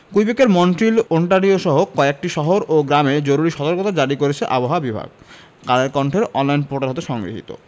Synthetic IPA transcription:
kujbekeɾmɔɳʈɾiloɳʈaɾioʃɔɦokɔeek̚ʈiʃɔɦoɾʔoɡɾamed͡ʑoɾuɾiʃɔt̪oɾkot̪ad͡ʑaɾikoɾet͡ɕʰeʔa̰boɦoabibʱa̰ɡ̚ | kaɾeɾkɔɳʈʰeɾɔnlajnpoʈaɾɦot̪̬eʃɔŋɡɾḭɦḭt̪o̰

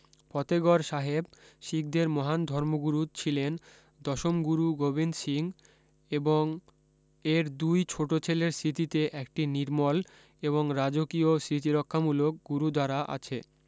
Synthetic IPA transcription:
pɔt̪eɡɔɾʃaɦebʃik̚d̪eɾmɔɦand̪ʱɔɾmoɡuɾut͡ɕʰilen | d̪ɔʃomɡuɾuɡobind̪ʃiŋ | eboŋ | eɾd̪ujt͡ɕʰoʈot͡ɕʰeleɾsɾit̪it̪eʔɛkʈiniɾmɔl | eβoŋɾad͡ʑokiosɾit̪iɾɔkʰːamulok̚ɡuɾud̪aɾaʔa̰t͡ɕʰe

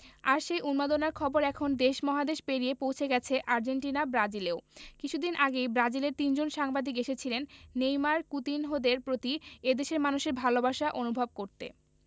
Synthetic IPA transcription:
aɾʃejʔunmad̪onaɾkʰɔboɾɛkʰond̪eʃmɔɦad̪eʃpeɾiepowt͡ɕʰeɡɛt͡ɕʰeʔaɾd͡ʑeɳʈinabɾad͡ʑileokit͡ɕʰud̪inʔaɡejbɾad͡ʑileɾt̪ind͡ʑonʃaŋbad̪ʱikeʃet͡ɕʰilenːejmaɾkut̪inɦod̪eɾpɾot̪ied̪eʃeɾmanuʃeɾbʱalobaʃaʔonubʱab̚koɾt̪ḛ

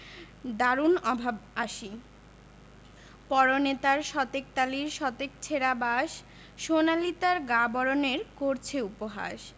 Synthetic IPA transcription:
d̪aɾunɔbʱabaʃi | pɔɾonet̪aɾʃɔt̪ek̚t̪aliɾʃɔt̪ek̚t͡ɕʰeɾabaʃ | ʃonalit̪aɾɡabɔɾoneɾkoɾt͡ɕʰeupoɦa̰ʃ

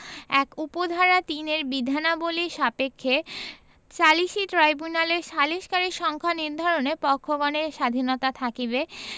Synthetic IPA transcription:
ɛkupod̪ʱaɾat̪ineɾbid̪ʱanaboliʃapekʰːe | t͡ɕaliʃit̪ɾajbunaleɾʃaliʃkaɾiɾʃɔŋkʰaniɾd̪ʱɔɾonepɔkʰːoɡɔneɾʃad̪ʱinot̪at̪ʰakibe

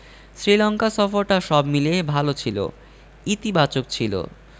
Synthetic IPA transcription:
sɾilɔŋkasɔfoɾʈaʃɔbmilebʱalot͡ɕʰilo̰ | it̪ibat͡ɕok̚t͡ɕʰilo̰

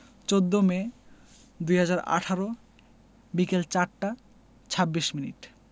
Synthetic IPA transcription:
t͡ɕod̪ːome | d̪ujɦad͡ʑaɾa̰ʈʰaɾo | bikelt͡ɕaɾʈa | t͡ɕʰabːiʃminḭʈ

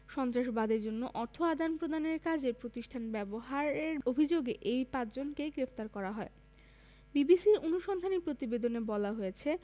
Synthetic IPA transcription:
ʃɔnt̪ɾaʃbad̪eɾd͡ʑonːoʔɔɾt̪ʰoad̪ʱanpɾod̪aneɾkad͡ʑepɾot̪iʃʈʰanbɛboɦaɾeɾobʱid͡ʑoɡeʔejpãt͡ɕd͡ʑonkeɡɾeft̪aɾkɔɾaɦɔe | bibisiɾonuʃɔnd̪ʱanipɾot̪ibed̪onebɔlaɦojet͡ɕʰe

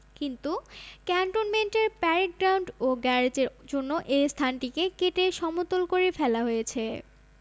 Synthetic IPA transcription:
kint̪ukɛɳʈonmenʈeɾpɛɾeʈ̚ɡɾawɳɖoɡɛɾed͡ʑeɾd͡ʑonːoʔejst̪ʰanʈikekeʈeʃɔmot̪olkoɾefɛlaɦojet͡ɕʰe

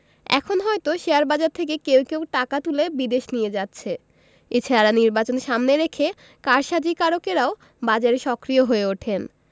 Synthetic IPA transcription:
ɛ̰kʰonɦɔet̪oʃeaɾbad͡ʑaɾt̪ʰek̬ekewkewʈakat̪ulebid̪eʃnijed͡ʑatːɕʰe | et͡ɕʰaɾaɾaniɾbat͡ɕonʃamneɾekʰe | kaɾʃad͡ʑikaɾokeɾao | bad͡ʑaɾeʃɔkɾioɦoeoʈʰen

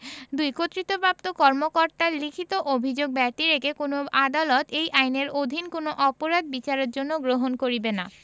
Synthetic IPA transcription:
d̪ujkot̪ːɾit̪opap̚t̪okɔɾmokoɾt̪aɾlikʰit̪oʔobʱid͡ʑoɡ̚bɛʈiɾekʰekonoad̪alot̪ʰejʔajneɾod̪ʱinkonoʔɔpoɾad̪̚bit͡ɕaɾeɾd͡ʑonːoɡɾoɦonkoɾibena

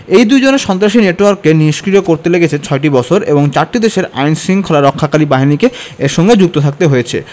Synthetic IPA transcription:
ejd̪ud͡ʑoneɾʃɔnt̪ɾaʃineʈwaɾkːeniʃkɾit̪okoɾt̪eleɡet͡ɕʰet͡ɕʰɔeʈibɔt͡ɕʰoɾeboŋt͡ɕaɾʈid̪eʃeɾa̰jnsiŋkʰolaɾɔkʰːakalibaɦinikeeɾʃɔŋɡed͡ʑuk̚t̪ot̪ʰak̚t̪eɦojet͡ɕʰḛ

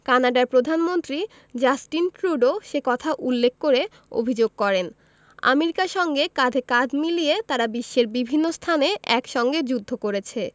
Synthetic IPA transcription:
kanaɖaɾpɾod̪ʱanmont̪ɾi | d͡ʑasʈinkɾuɖoʃekɔt̪ʰaʔulːekʰkoɾe | o̰bʱid͡ʑoɡ̚kɔɾen | a̰meɾikaɾʃɔŋɡekad̪ʱekad͡ʑʱmilijet̪aɾabiʃːeɾbibʱinːost̪ʰaneʔɛkʃɔŋɡed͡ʑud̪ʱːokoɾet͡ɕʰe

